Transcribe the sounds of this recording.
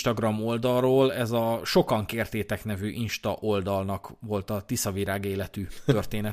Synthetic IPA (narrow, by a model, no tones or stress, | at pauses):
ʃt̪ɒɡrɒmo̞ld̪ɒrroːlɛzɒʃo̞kɒŋkeːrt̪eːt̪ɛknɛvyːʔinʃt̪ɒʔo̞ld̪ɒlnɒkʋo̞lt̪ɒt̪isɒviɾaːɡeːlɛt̪yt̪ørt̪eːnɛ